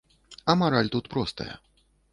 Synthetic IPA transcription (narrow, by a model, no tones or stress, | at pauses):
ɐmaɾalʲt̪ut̪pɾɔst̪ɐ̰jɐ̰